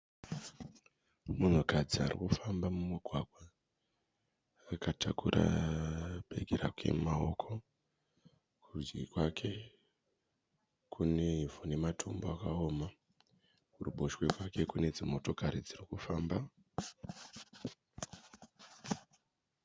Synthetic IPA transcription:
mun̤ukad͡zia̰rḭkufambamumiɡʱwaɡʱwa | katʰakuɾʔa̰ | ɓe̞ɡʱeɾakwe̞̰mao̞kʰo̞ | kud͡ʒɡikwakʰe̞ | kʰuneivone̞matʰomboakao̞ːma | uruɓoʃwe̞kwake̞kune̞d͡zimo̞to̞kaɾid͡zirikufaːmba

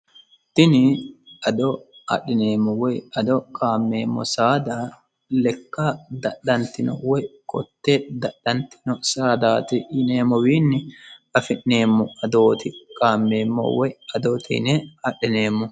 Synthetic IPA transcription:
t̪ɪnɪʔɐd̪ɔɐ̰ɗɪne̞ːmːɔwɔjɐd̪ɔkʼaːmːḛːmːɔ̰saːd̪a | lɛkːad̪ɐɗːɐnt̪ɪnɔ̰wɔjkʼɔt̪ːed̪ɐɗːɐnt̪ɪ̥nɔsaːd̪aːt̪ɪɪneːmːɔwiːnːɪɐfɪʔːeːmːɔɐd̪oːt̪ɪkʼaːmːe̞ːmːɔ̰wɔjɐd̪oːt̪ʰɪ̰nɛɐɗɪneːmːɔ

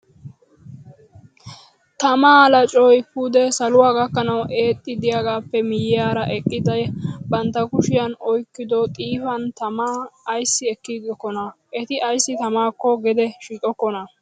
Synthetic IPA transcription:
t̪ɐmaːlɐt͡ʃʼɔjpʊd̪ɛsɐlʊwaːɡɐkːɐnɐwʔe̞ːt̪ʼːɪd̪ɪjaɡaːpːɛmɪjɪjaːɾɐʔɛkʼːɪd̪ɐjbɐnt̪ːɐkʊʃɪjɐnɔjkːɪd̪ɔt̪ʼiːfɐnt̪ɐmaːjsːɪɛkːid̪ɔkːɔnɐʔɛt̪ɪʔɐjsːɪt̪ɐmaːkːɔɡɛd̪ɛʃit̪ʼɔkːɔnɐ

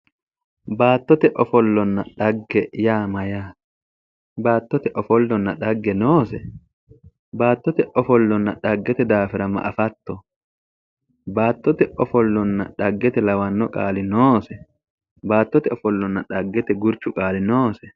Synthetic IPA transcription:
baːt̪ːɔt̪ɛʔɔfɔlːɔnːɐᶑɐɡːɛjaːmɐjaː | baːt̪ːɔt̪ɛʔɔfɔlːɔnːɐᶑɐɡːɛnoːsɛ | baːt̪ːɔt̪ɛʔɔfɔlːɔnːɐᶑɐɡːɛt̪ɛd̪aːfɪɾɐmɐ̰ʔɐfɐt̪ːɔ | baːt̪ːɔt̪ɛʔɔfɔlːɔnːɐ̰ᶑɐɡːɛt̪ɛlɐwɐnːɔkʼaːlɪnoːsɛ | baːt̪ːɔt̪ɛɔfɔlːɔnːɐᶑɐɡːɛt̪ɛɡʊɾt͡ʃʊkʼaːlɪnoːsɛ

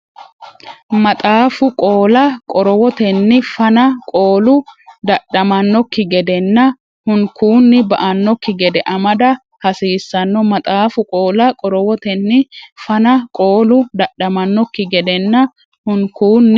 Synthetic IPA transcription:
mɐt̪ʼaːfʊkʼo̞ːlɐkʼɔɾɔwɔt̪ɛnːɪfɐnɐkʼo̞ːlʊd̪ɐɗɐmɐnːɔkːɪɡɛd̪ɛnːɐ | hʊŋkuːnːɪbɐʔɐnːɔkːɪɡɛd̪ɛʔɐmɐd̪ɐ | hɐsiːsːɐnːɔmɐt̪ʼaːfʊkʼo̞ːlɐkʼɔɾɔwɔt̪ɛnːɪfɐnɐkʼoːlʊd̪ɐɗɐmɐnːɔkːɪɡɛd̪ɛnːɐ | hʊŋkuːnː

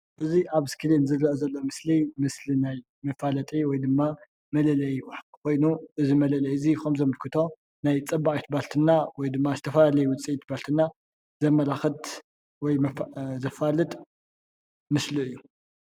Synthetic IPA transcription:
ʔɨziʔaβskʰɨlinzɨrɐʔozɐlːo̞mɨslimɨslinaj | mɐfalɐt̪ʼiwɔjd̪ɨmːa | mɐlɐlɐjwaħtʼikʰo̞jnuʔɨzimɐlɐlɐjɨzixomzɐmɨlkʰɨt̪ʰo̞ | najt͡sʼɐbːaχʼjit̪balt̪ʰɨnːawɔjd̪ɨmːazɨt̪ʰɐfɐlalɐjuwʊt͡sʼit̪ʰbalt̪ʰɨnːa | zɐmɐlaxɨt̪ | wɔjzɐfalɨt̪ʼ | mɨsliɨjːu

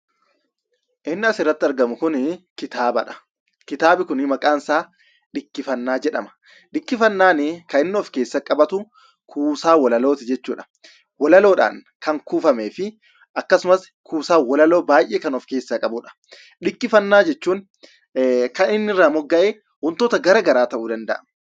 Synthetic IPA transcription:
ʔɪnːɪɐsɪrːɐt̪ːɪɐɾɡɐmʊkʊnkɪt̪aːbɐ̰ᶑɐ̥ | kɪt̪aːbɪkʊnɪmɐkʼaːnsaː | ᶑɪkːɪfɐnːaːd͡ʒɛᶑɐmɐ̥ | ɗɪkːɪfɐnːaːnɪkɐɪnːɪɔfke̞ːsːɐkʼɐbɐt̪ʊ | kʰuːsaːwɐlɐlo̞ːt̪ɪd͡ʒɛt͡ʃːuːᶑɐ̥ | wɐlɐlo̞ːᶑa̰ːŋ | kɐŋkuːfɐmeːfɪ | ʔɐkːɐsʊmɐs | kʰuːsaːwɐlɐlo̞ːbaːjʔeːkɐnɔfke̞ːsːaːkʼɐbʊᶑɐ̥ | ᶑɪkːɪfɐnːaːd͡ʒɛt͡ʃːuːn | kɐnɪnːɪrːaːmɔɡːɐʔeː | hʊnt̪oːt̪ɐɡɐɾɐɡɐɾaːt̪ɐʔuːd̪ɐnd̪ɐʔɐ̰mɐ

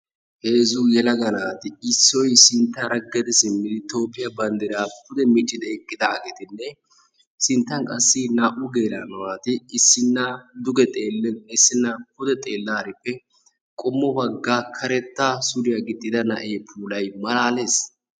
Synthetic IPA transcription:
he̞ːzujɛlɐɡɐnaːt̪ɪɪsːɔjsɪnt̪ːɐɾɐɡɛd̪ɪsɪmːɪd̪ɪt̪o̞ːpːɪjɐbɐnd̪ɛɾaːpʊd̪ɛmɪt͡ʃʼːɪd̪ɛɛkʼːɪd̪aːɡet̪ɪnːɛ | sɪnt̪ːɐŋkʼɐsːɪnaːʔʊɡe̞ːlanɐwaːt̪ɪːsːɪnːɐd̪ʊɡɛt̪ʼeːlsːɪnːɐpʊd̪ɛt̪ʼe̞ːlːaːɾɪpːɛ | kʼɔmːɔbɐɡːaːkʰɐɾɛt̪ːasʊɾɪjɐɡɪt̪ʼːɪd̪ɐnɐ̰ʔe̞ːpʰuːlɐjmɐlaːle̞ːs

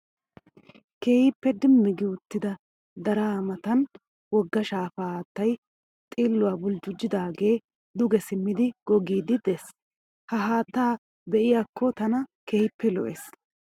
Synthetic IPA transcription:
ke̞ːjɪpːɛd̪ɪmːɪɡɪʊt̪ːɪd̪ɐ | d̪ɐɾaːmɐt̪ɐn | wɔɡːɐʃaːfaːhaːt̪ːɐj | t̪ʼiːlːʊwaːbʊld͡ʒʊd͡ʒːɪd̪aːɡe̞ː | d̪ʊɡɛsɪmːɪd̪ɪɡ̥ɔɡiːd̪ɪd̪ɛs | hɐɦaːt̪ːaː | bɛʔɪjaːkʰːɔt̪ɐnɐkeːjɪpːɛlɔ̰ʔeːs

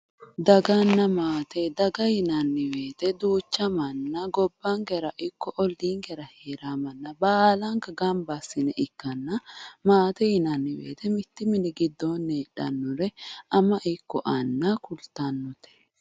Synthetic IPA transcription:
d̪ɐɡɐnːɐmaːt̪ɛd̪ɐɡɐjɪnɐnːɪwe̞ːt̪ɛd̪uːt͡ʃːɐmɐnːɐɡɔbːɐŋɡɛɾɐʔɪkːɔʔɔlːiːŋɡɛɾɐheːɾamɐnːɐbaːlɐŋkɐɡɐmbɐsːɪnɛʔɪkːɐnːɐmaːt̪ɛjɪnɐnːɪwḛːt̪ɛmɪt̪ːɪmɪnɪɡɪd̪ːɔnːeːᶑɐ̰nːɔɾɛʔɐmɐʔɪkːɔʔɐnːɐkʊlt̪ɐnːɔt̪ɛ̥

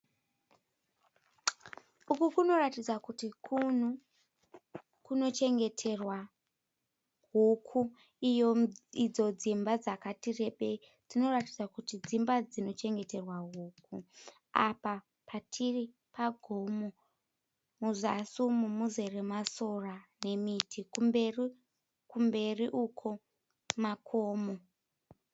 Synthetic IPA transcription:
ukukuno̞ratid͡zakutikʰun̤u | kuno̞t͡ʃe̞ŋɡe̞tʰe̞rwa | ɦukʰu | ijoid͡zo̞d͡zimbad͡zakatire̞ɓe̞i | d͡zino̞ratid͡zakutid͡zimbad͡zino̞t͡ʃe̞ŋɡe̞te̞rwaɦuːku | a̰pa | patʰiri | paɡʱomo | muzasumumuze̞remaso̞rane̞mitʰikumberi | kumbe̞riʔukʰo | makʰoːmo

